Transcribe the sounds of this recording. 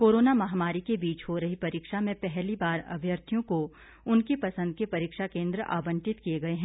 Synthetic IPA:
koːɾoːnamɐɦamaːɾikebiːt͡ʃɦoɾɐɦipɐɾiːkʃamẽpɛɦlibaːɾɐ̰bʱjəɾt̪ʰijõko | ʊnkipɐsə̃nd̪̚kepɐɾiːkʃakẽːnd̪ɾəʔa̰ːbə̃ɳʈɪt̪kijeɡɐeɦɛ̃ː

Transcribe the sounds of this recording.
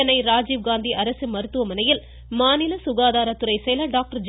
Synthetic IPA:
ɐnɐɪɾaːd͡ʒiːʋɡaːnd̪iʔɐɾɐsɯmɐɾɯt̪ːɯʋɐmɐnɐjɪl | maːnɪlɐsʊɣaːðaːɾɐt̪ːɯɾɐɪsɛjlɐɖaːk̚ʈɐɾd͡ʒ

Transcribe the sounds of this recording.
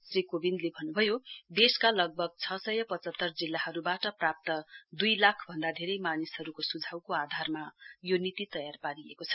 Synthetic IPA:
srikobind̪lebʱʌnːubʱʌjod̪eskalʌɡ̚bʱʌɡ̚t͡sʰʌsʌjʌpʌt͡sʌt̪ːʌrd͡zilːahʌɾubaʈʌprap̚t̪ʌd̪ujlakʰbʱʌnd̪ad̪ʱeɾʌjmanisɦʌɾukosud͡zʱawkoad̪ʱarmajonit̪it̪ʌjarpaɾiekot͡sʰʌ̥

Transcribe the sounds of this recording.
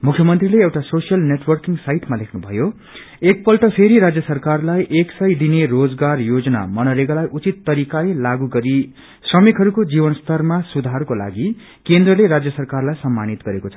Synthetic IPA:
mukʰjʌmʌnt̪rileewʈasosijʌlneʈwʌrkiŋɡsajʈmalekʰnubʱʌjo | ek̚pʌlʈʌpʰeɾiɾad͡zjʌsʌrkarlajʔeksʌjd̪inerod͡zɡarjod͡zʌna̰mʌnʌɾeɡʌlajʔut͡sit̪ːʌɾikalelaɡuɡʌɾi | srʌmikɦʌɾukod͡zibʌnst̪ʌrmasud̪ʱarkola̰ɡi | kend̪rʌleɾad͡zjʌsʌrkarlajsʌmːanit̪ɡʌɾekot͡sʰʌ

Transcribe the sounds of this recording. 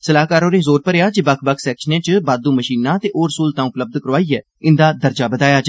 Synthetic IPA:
səlaːkaːɾõːnẽːzoːɾpəɾeːaːd͡ʒebəkʰbəkʰsɛːkʃənẽːt͡ʃəbaːd̪ũːməʃiːnãːt̪eːʔoːɾəsuːlt̪ãːʊpləb̚d̪kəɾʋaːiːɛː | ɪnd̪aːd̪əɾd͡ʒaːbəd̪aːjaːt͡ʃː

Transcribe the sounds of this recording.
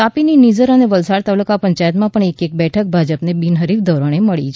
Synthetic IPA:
t̪apininid͡ʒəɾəneʋəlsaɽt̪alukapəɲt͡ʃajət̪mãəɳekek̚bɛʈʰək̚bʱad͡ʒəpnebinɦəɾifd̪ʱoɾoɳeməɭit͡ʃʰ

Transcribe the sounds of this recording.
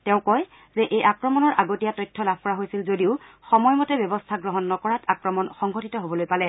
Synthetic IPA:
tɛʊ̃kɔj | zɛʔejʔakɹɔmɔnɔɹʔaɡotijatɔjtʰːɔlab̚ʱkɔɹaɦojsilzodiʊxɔmɔjmɔtɛbjɔbɔstʰaɡɹɔɦɔnːɔkɔɹatakɹɔmɔnxɔŋɡʱɔtitɔɦobɔlojpalɛ

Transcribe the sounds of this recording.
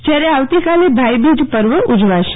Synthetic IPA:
d͡ʒjaɾeaʋt̪ikalebʱajbid͡ʒpəɾʋəʔud͡ʒʋaʃe̥

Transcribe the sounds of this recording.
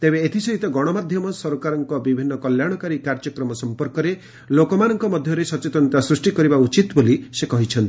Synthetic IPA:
t̪ebeːt̪ʰisɔit̪ɔɡɔɽ̃ɔmad̪ʱjɔmɔsɔɾukaɾɔŋkɔbibʱinːɔkɔljaɽ̃ɔkaɾikaɾd͡ʒɔkɾɔmɔsɔmpɔɾkɔɾe | lokɔmanɔŋkɔmɔd̪ʱjɔɾesɔt͡ʃet̪ɔnt̪asɾusʈikɔɾibaut͡ʃit̪bolisekɔɦit͡ʃʰɔnt̪ii

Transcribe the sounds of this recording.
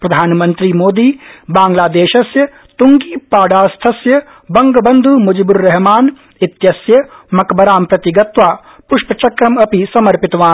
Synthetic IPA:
pɾɐd̪ʱaːnmɐ̃nt̪ɾimoːd̪iːbãːŋɡlaːd̪eːʃɐsjɐ | t̪uŋɡiːpaːɖaːst̪ʰɐsjɐ | bɐŋɡəbɐnd̪ʱumʊd͡ʒibʊɾːɛɦmaːn | ɪt̪jɐsjɐmɐkbɐɾaːmpɾɐt̪ɪɡɐt̪ʋaː | pʊʃpɐt͡ʃɐkɾɐmɐpisɐmɐɾpɪt̪ʋaː

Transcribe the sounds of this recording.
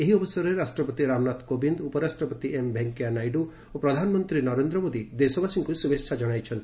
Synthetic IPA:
eɦiɔbɔsɔɾeɾasʈɾɔpɔt̪iɾamnat̪kobind̪upɔɾasʈɾɔpɔt̪iembʱeŋkijanajɖu | opɾɔd̪ʱanɔmɔnt̪ɾinɔɾend̪ɾɔmod̪id̪esɔbasiŋkusubetʃʰad͡ʒɔɽ̃ajt͡ʃʰɔnt̪i̥

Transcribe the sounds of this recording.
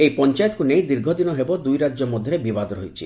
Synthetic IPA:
ejpɔnt͡ʃajɔt̪ɔkunejd̪iɾɡʱɔd̪inɔɦebɔd̪ujɾad͡ʒɔmɔd̪ʱjɔɾebibad̪ɾoɦjt͡ʃʰi

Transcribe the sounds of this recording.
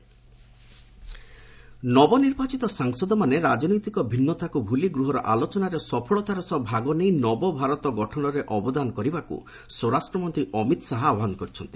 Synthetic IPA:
nɔbɔniɾbat͡ʃit̪ɔsaŋsɔd̪ɔmaneɾad͡ʒɔnɔjt̪ikɔbʱinːɔt̪akubʱuliɡɾuɦɔɾɔʔa̰lɔt͡ʃɔnaɾesɔpʰɔɭɔt̪aɾɔsɔbʱaɡɔnejnɔbɔbʱaɾɔt̪ɔɡɔʈʰɔɽ̃ɔɾeʔɔbɔd̪anɔkɔɾibakṵ | sɔwɾasʈɾɔmɔnt̪ɾiʔɔmit̪ɔsaɦɔaɔɦankɔɾit͡ʃʰɔnt̪i̥

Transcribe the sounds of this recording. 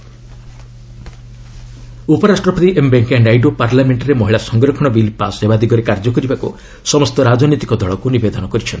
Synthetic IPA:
upɔɾasʈɾɔpʰt̪iʔembeŋkeɳɖajɖopaɾlameɳʈɾemɔɦiɭasɔŋɡɾɔkʰɔɽ̃ɔbilpasebad̪iɡɔɾekaɾd͡ʒɔkɔɾibakṵ | sɔmɔst̪ɔɾad͡ʒɔnit̪ikɔd̪ʱɔɭɔkunibed̪ɔnɔkɔɾit͡ʃʰɔn

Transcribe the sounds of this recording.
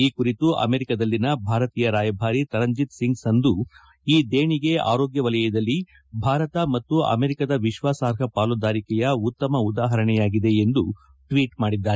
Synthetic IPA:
iːkuɾit̪uʔɐ̰me̞ɾikɐd̪ɐlːinɐbʱaːɾɐt̪iːjɐɾaːjɐbʱaːɾit̪ɐɾɐɲd͡ʒit̪siŋɡsɐnd̪u | iːd̪eːɳiɡe̞a̰ːɾoːɡjɐʋɐlɐjɐd̪ɐlːi | bʱaːɾɐt̪ɐmɐt̪ːuɐ̰meːɾikɐd̪ɐʋiʃʋaːsaːɾɦʰɐpaːlud̪aːɾikɛjɐut̪ːɐmɐud̪aːɦɐɾɐɳɛjaːɡid̪e̞end̪u | ʈʋiːʈmaːɽid̪ːaːɾe

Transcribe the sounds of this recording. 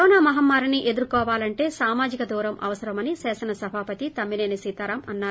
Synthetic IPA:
ɔːnaːmɐɦɐmːaːɾiniʔe̞d̪uɾkɔːʋaːlɐɳʈe̞ːsaːmaːd͡ʒikɐd̪uːɾɐmʔɐ̰ʋɐsɐɾɐmɐnisɛːsɐnɐsɐbʱaːpɐt̪it̪ɐmːineːnisiːt̪aːɾɐmɐnːaː

